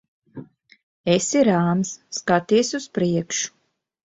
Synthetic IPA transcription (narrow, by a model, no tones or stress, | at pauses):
esiɾaːmsːkat̪iɛsuspɾiɛkʃu̥